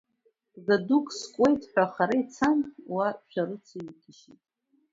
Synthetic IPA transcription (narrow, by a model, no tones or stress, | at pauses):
zadukʼskʷʼe̞jtʼħʷᶣaχaɾajt͡sʰanwaʃʷᶣaɾɨt͡sʰaikʲʰɪʃitʼ